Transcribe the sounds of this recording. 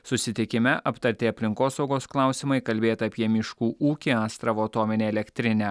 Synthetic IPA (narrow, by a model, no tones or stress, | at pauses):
sʊsʲɪt̪ʲɪkʲɪmʲɛʔɐpt̪ɐɾʲt̪ʲeɐpʲlʲɪŋkoːsɒʊɡoːsklˠɑˑʊsʲɪmɐɪkɐlʲbʲeːt̪ɐːpʲiɛmʲɪʃkuːʔuːkʲiɑːst̪ɾɐʋoːt̪oːmʲɪnʲeːɛlʲɛkʲt̪ʲɾʲɪnʲɛ